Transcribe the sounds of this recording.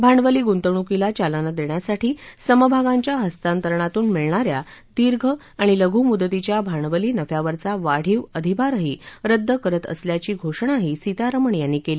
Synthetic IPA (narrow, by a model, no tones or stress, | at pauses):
bʱaɳɖʋəliːɡunt̪əɳ̃ukilat͡ɕalənəd̪eɳjasaʈʰiːsəməbʱaɡaɲt͡ɕjaɦəst̪ant̪əɾɳat̪uːnmiɭɳaɾjad̪iɾɡʱə | aɽ̃iləɡʱuːmud̪ət̪it͡ɕjabʱaɳʋəliːnəfjaʋəɾt͡saʋaɽ̤iːʋəd̪ʱibʱaɾəɦiːɾəd̪ʱːəkəɾət̪ə̰sljat͡ɕiːɡʱoʂɳaɦisit̪aɾəməɳjanːiːkeliː